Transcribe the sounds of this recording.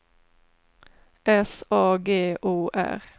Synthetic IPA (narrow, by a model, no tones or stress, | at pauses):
ʔɛsɑːɡeːʔoːʔæ̰ʁ